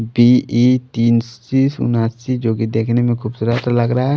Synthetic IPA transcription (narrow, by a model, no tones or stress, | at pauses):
biit̪iːnt͡ʃisʊ̰naːsid͡ʒoːkid̪eːkʰnemẽkʰuːbsuɾat̪alɐɡɾɐaɦɛ